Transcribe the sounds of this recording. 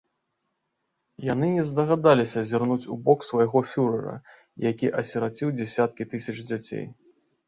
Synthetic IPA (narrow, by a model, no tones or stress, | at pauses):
jan̪ɨnʲɛzd̪ɐɣad̪alʲisʲɐzʲirnut͡sʲubɔksvɐjaɣɔfʲuɾɐɾɐ̰ | jakʲiʔɐsʲɛɾat͡sʲiwd͡zʲɛsʲat̪̚kʲit̪ɨsʲɐt͡ʂd͡zʲat͡sʲḛj